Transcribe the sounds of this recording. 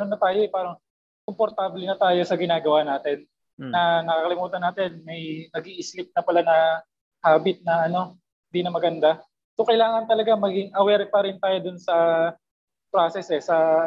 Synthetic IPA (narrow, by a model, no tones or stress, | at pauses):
nonːɐt̪aːjo̞ʔɛpaːɾɐŋ | kompo̞ɾt̪aːblɛnɐt̪aːjo̞sɐɡɪnaːɡɐwanaːt̪ɛnː | ɐnɐkɐɐlɪmuːt̪ɐnaːt̪ɪnmɐjnɐɡiʔɪslɪp̚nɐpɐlanɐ | haːbɪt̪̚nɐʔɐno̞ | ɪnd̪inɐmɐɡɐnd̪a | sokɐjlaːŋɐnt̪ɐlɐɡamɐɡɪŋʔɐwɛɾ̚pɐɾɪnt̪aːjo̞d̪ʊnsɐ | pɾaːsɛsʔɛsɐ